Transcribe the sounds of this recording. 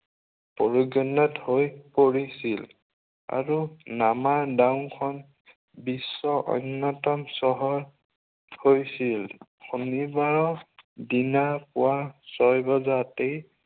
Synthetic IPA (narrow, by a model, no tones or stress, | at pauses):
pɔɹoɡɔnɔthojpoɹisil | a̰ɹunamadawnkʰɔn | bisːɔʔɔ̰nːɔtɔmsɔɦɔɹ | hojsilkʰunibaɹɔdinapʊwasɔjbɔzatej